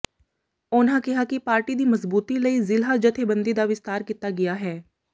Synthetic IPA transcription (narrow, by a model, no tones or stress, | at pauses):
ʊnãːkɪɦaːkɪpaːɾʈiːd̪iːməzbuːt̪iːləiːzɪlɦaːd͡ʒət̪ʰeːbənd̪iːd̪aːʋɪst̪aːɾkiːt̪aːɡɪjaːɦɛː